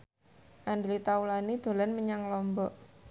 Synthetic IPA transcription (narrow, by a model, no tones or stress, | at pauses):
ʔandlit̪aulanid̪̥o̤lanməɲaŋlɔmbɔʔ